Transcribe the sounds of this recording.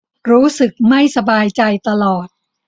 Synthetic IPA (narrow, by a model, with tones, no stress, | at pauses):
ɾuː˦˥sɯ˨˩k̚ma˥˩jsa˧baː˧jt͡ɕa˧jt̪a˧lɔː˨˩t̪̚